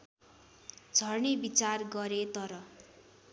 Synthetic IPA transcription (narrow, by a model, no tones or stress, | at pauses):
d͡zʱʌrnibit͡sarɡʌɾet̪ʌɾʌ